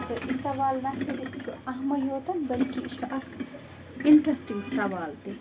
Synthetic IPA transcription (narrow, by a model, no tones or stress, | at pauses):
t̪oʔisɐʋaːlnɐsed̪iʃuʔɐɦmɐjoːt̪ɐnbɐlkiʃuʔɐb | ɪɳʈɾɐsʈiŋɡsɐʋaːlt̪i